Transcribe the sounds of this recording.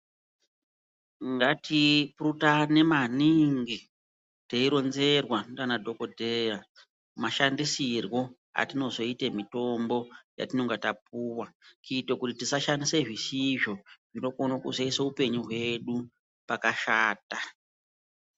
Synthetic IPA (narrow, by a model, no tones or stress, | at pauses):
ŋɡatʰiprutane̞maniŋɡi | teiɾo̞nze̞rwandanadʱo̞ko̞dʱeja | maʃandisirwo̞ | a̰tino̞zo̞itemito̞mbo̞ja̰tino̞ŋɡatap̚uːwakitokutitisaʃandiseʐisiʐo̞ʐino̞konokuzeisaupe̞ɲuɦwe̞ɗu | pakaʃaːta